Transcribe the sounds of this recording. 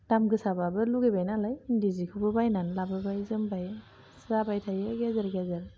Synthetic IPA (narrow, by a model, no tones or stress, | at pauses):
d̥amɡɯsababɯluɡebajnalajindizikʰubɯbajnanlabɯbajzɯmbaj | sɾabajtʰajeɡezaɾɡezaɾ